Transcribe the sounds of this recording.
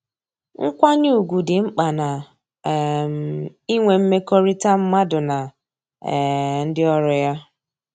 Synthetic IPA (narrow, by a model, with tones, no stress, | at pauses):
ŋ̩˦kʷa˦ɲu˦u˨ɡʷu˨dɪ˨ŋ͡m̩˦k͡pa˨na˨ | i˦ŋʷe˨m̩˦me˦kɔ˦ɾi˦ta˦m̩˦ma˦dʊ˨na˨ | n̩˦dɪ˦ɔ˦ɾʊ˨ja˦